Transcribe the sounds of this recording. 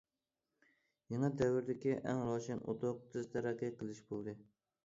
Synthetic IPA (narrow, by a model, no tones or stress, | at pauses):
jɑŋɑd̪avɪɾd̪ɪkʲɪʔaŋɾɒʃɪno̰t̪ʰoqt̪ʰɪzt̪ʰaɾaqʲaqʰɨlˠɪʃbolˠd̪ɪ